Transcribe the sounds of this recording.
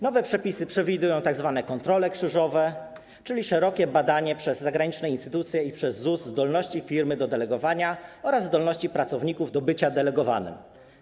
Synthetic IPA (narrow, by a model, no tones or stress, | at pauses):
nɔvɛpʂɛpʲisɘpʂɛvʲid̪ujɔ̃w̃t̪aɡzvanɛkɔnt̪ɾɔlɛkʂɘʐɔvɛ | t͡ʂɘlʲiʂɛɾɔkʲɛbad̪aɲɛpʂɛzːaɡɾaɲit͡ʂnɛinst̪ɘt̪ut̪sʲjɛipʂɛzːuzzːd̪ɔlnɔɕt͡ɕifʲiɾmɘd̪ɔd̪ɛlɛɡɔvaɲaɔɾazːd̪ɔlnɔɕt͡ɕipɾat̪sɔvɲikuvd̪ɔbɘt͡ɕad̪ɛlɛɡɔva̰nɘ̰m